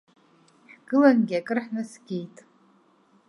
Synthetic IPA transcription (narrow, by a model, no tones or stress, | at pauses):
ħɡ̥ɨlanɡʲiakʼɨrħnɨsɡʲijtʼ